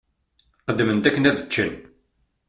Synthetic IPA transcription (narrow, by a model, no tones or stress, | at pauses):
χəd̪ːmənt̪ækːənæðət͡ʃːən